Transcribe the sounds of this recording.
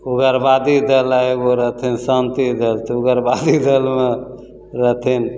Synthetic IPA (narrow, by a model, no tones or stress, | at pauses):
uɡəɾbad̪id̪əlaeɡoɾət̪ʰinsant̪id̪əlt̪ɔuɡəɾbad̪id̪əlme | ɾət̪ʰin